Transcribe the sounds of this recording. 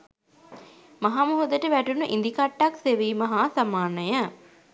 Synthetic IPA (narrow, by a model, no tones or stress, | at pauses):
mɐɦamuɦod̪əʈəʋæʈunuʔḭnd̪ikaʈːakseʋiːmɐɦaːsamaːnəjə